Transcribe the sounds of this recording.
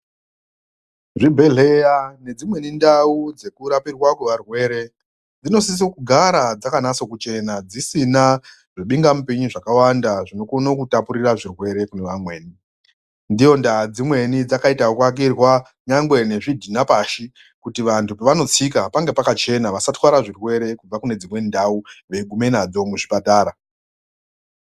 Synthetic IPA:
ʐibʱe̞ɮe̞jane̞d͡zimwe̞nindaud͡ze̞kuɾapirwakweʋarwe̞ːɾe̞ | d͡zino̞s̬is̬okuɡʱaɾad͡zakanaso̞kut͡ʃe̞nad͡zisina | ʐiɓiŋɡamupeɲuʐakawandaʐinokonokutapuɾiraʐirwe̞ɾe̞kuneʋamwe̞ːni | ndijo̞ndad͡zimwe̞nid͡zakaitaokwak̬irwa | ɲaŋɡwe̞ne̞ʐidʱinapaːʃi | kutiʋantupeʋano̞t͡sikapaŋɡe̞pakat͡ʃe̞naʋasatwaɾaʐirwe̞ɾe̞kub͡vakune̞d͡zimwe̞ndauʋe̞ɡʱume̞nad͡zo̞muʐipataːɾa

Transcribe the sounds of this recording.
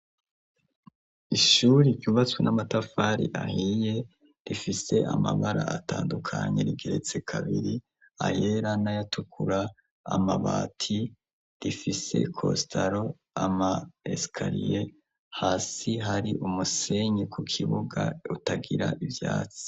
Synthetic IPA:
iʃuɾiɾɟuβat͡swenʔamatafaɾḭʔahije̞ | ɾifise̞ʔamaβaɾaataːndukʰaɲe̞̰ɾiɡe̞ɾe̞t͡se̞kʰaβiɾi | a̰jeɾanajatʰukʰuɾaː | maβaːtʰi | ɾifise̞̰kʰo̞̰stʰaɾo̞ | amaḛskʰaɾije | haːsiɦaɾiʔumuse̞ɲekʰukʰiβuɡautaɡiɾaʔivjaːt͡si̥

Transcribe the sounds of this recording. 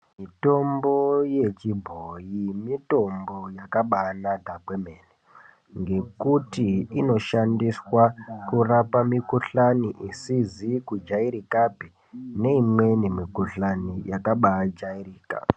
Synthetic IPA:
mito̞mboje̞t͡ʃibʱojimito̞mbo̞jakaɓaːnaɡʱakwemeːne | ŋɡe̞kutiino̞ʃandiswakurapamikuɬaniʔisizikud͡ʒaiɾikapi | ne̞imwe̞nemikuɬanijakaɓad͡ʒaiɾiːka̰

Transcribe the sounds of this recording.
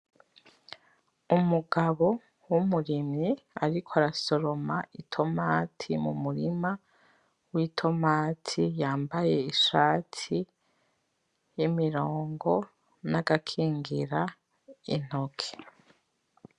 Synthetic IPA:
umuɡaβo̞ | wumuɾimɲiaɾikʰoaɾaso̞ɾomaʔitʰo̞maːtʰimṵmuɾima | witʰo̞maːtʰijaːmbaje̞iʃaːtʰi | jimiɾoːŋɡo̞ | naɡakʰiːŋɡiɾa | ḭn̥o̞kʰe̥

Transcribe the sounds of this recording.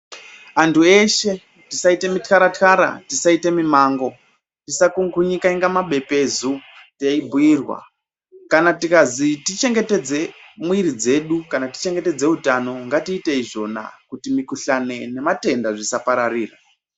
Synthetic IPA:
antʰueʃe̞ | tisaite̞mitkaɾatkaɾa̰tisaite̞mimaːŋɡo̞ | tisakuŋɡuɲikaiŋɡamaɓe̞pe̞zuteibʱuirwa̰ | kanatikazitit͡ʃe̞ŋɡe̞te̞d͡ze̞mwiɾid͡ze̞ɗukanati̥t͡ʃe̞ŋɡe̞te̞d͡ze̞utano̞ŋɡatiːteiʐo̞na̰kutimikuɬane̞ne̞mate̞ndaʐisapaɾariːra

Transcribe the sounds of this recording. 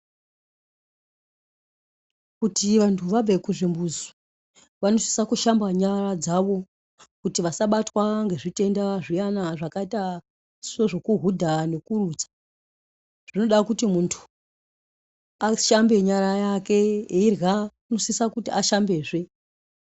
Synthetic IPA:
kutiʋantʰuʋab͡vekuʐimbuza | ʋano̞si̥sakuʃambaɲarad͡zaʋo̞ | kutiʋasaɓatwaŋɡe̞ʐite̞ndaʐijanaʐakaita | soʐo̞kuɦudʱane̞kuruːt͡sḁ | ʐ̥ino̞ɗakutimuntʰu̥ | aʃambe̞ɲaɾajake̞eirɣa | nosisakutiʔaʃambe̞ːʐe̞

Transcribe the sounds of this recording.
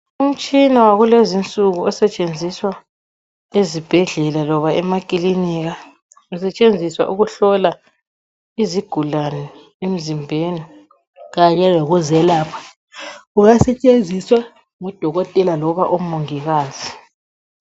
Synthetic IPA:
um̩t͡ʃʼinawaɣulezint͡sʼuɣuɔsɛt͡ʃʼend͡zʱiswa | ezib̥ʱɛɮɛlalɔβaɛmakʼiliniɣa | usɛt͡ʃʼend͡zʱiswa̰ʔuɣuɬɔla | iziɡ̥ʱulanɛ | em̩zimbʱeːni | ɣaɲɛlɛɣuzɛlaːpʰḁ | uɣasɛt͡ʃʼend͡zʱiswa | ŋɔd̥ʱɔɣɔtʼɛlalɔβaʔumoŋiɣaːz̥i

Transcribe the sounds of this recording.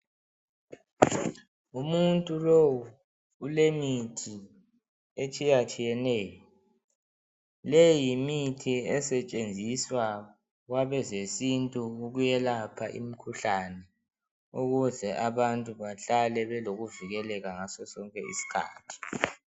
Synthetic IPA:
umuntʼulowuː | lemitʰi | et͡ʃʼijat͡ʃʼijɛnɛːjɔ | lejimitʰiɛsɛt͡ʃʼend͡zʱiswa | ɣwaβɛzesintʼuuɣujɛlapʰaʔḭmikʰuɬanɛ | uɣuzɛʔaβantʼuβaɬalɛβɛloɣuviɣɛlɛɣaŋasɔsɔŋkʼɛ̰ḭsi̥kʰa̰ːtʰi̥

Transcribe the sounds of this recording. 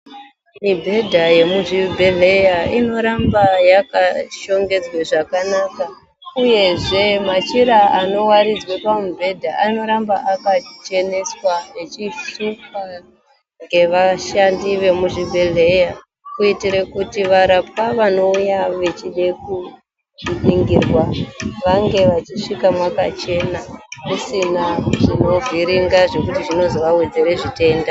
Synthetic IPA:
mibʱe̞dʱaje̞muʐibʱe̞ɮe̞jaino̞ɾambajakaʃo̞ŋɡe̞d͡zweʐakanaka | uje̞ʐe̞mat͡ʃiɾaano̞waɾid͡zwepamubʱe̞dʱaʔano̞ɾambaʔakat͡ʃe̞neswaet͡ʃiʃuka | ŋɡe̞ʋaʃandiʋe̞muʐibʱeɮe̞ja | kuitiɾekutiʋaɾapwaʋano̞ujaʋe̞t͡ʃiɗeku | ɗiŋɡirwaʋaŋɡe̞ʋat͡ʃiʂikamwaka̰t͡ʃe̞nakusinaʐino̞viɾiŋɡaʐe̞kutiʐino̞zoʋawed͡zeɾe̞ʐite̞ːnda

